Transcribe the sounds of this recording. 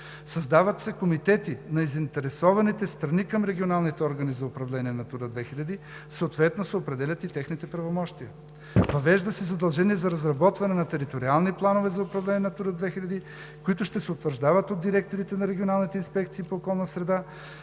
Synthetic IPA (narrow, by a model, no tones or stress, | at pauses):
sɐzd̪avɐt̪sɛkomit̪ɛt̪inɐizint̪ɛɾɛsɔvɐnit̪ɛst̪ɾɐnikɐmɾɛɡʲionalˠnit̪ɛɔɾɡɐnizɐʊpɾɐvlɛniɛnɐt̪uɾəd̪vɛxilʲɐd̪i | soot̪vɛt̪nosɛopɾɛd̪ɛlʲɐt̪it̪ɛxnit̪ɛpɾɐvomɔʃt̪iə | vɐvɛʒd̪əsɛzɐd̪ɐlˠʒɛniɛzɐɾɐzɾɐbɔt̪vɐnɛnɐt̪ɛɾit̪oɾialˠniplˠanovɛzɐʊpɾɐvlɛniɛnɐt̪uɾəd̪vɛxilʲɐd̪i | koit̪ʊʃt̪ɛsɛʊt̪vəɾʒd̪avɐt̪od̪iɾɛk̚t̪oɾit̪ɛnɐɾɛɡʲionalˠnit̪ɛinspɛkt̪siːpoːkɔlˠnɐsɾɛd̪a